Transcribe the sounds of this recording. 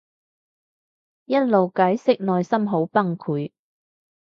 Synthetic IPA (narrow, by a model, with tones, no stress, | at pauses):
jɐ˥t̚lo˨wkaː˨˥jsɪ˥k̚nɔː˨jsɐ˥mɦo˨˥wpɐ˥ŋkʰuː˨˥j